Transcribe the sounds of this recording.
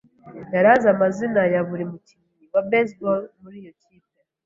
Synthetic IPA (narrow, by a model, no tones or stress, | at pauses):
jaɾazamazinajaβuɾemucimiiwabesbolmuɾijo̞ciːpe